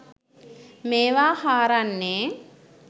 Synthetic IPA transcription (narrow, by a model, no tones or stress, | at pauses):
meːʋaːhaːɾanːeː